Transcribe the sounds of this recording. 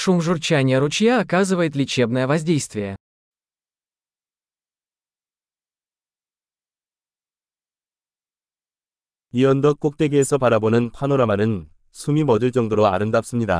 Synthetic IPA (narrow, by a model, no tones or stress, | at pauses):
ʂumʐurt͡ɕanʲɪjəɾʊt͡ɕjaːkazɨvəjɪt̪lʲɪt͡ɕe̞bnəjəvɐzʲdʲe̞jst̪vʲɪjə | iʌnd̪ʌk̚k͈ok̚t͈eɡeːsʰʌpaɾabonɯnpʰanoɾamanɯn | sʰumimʌd͡ʑɯɭt͡ɕ͈ʌŋdoɾoa̰ɾɯndap̚s͈ɯmɲida̰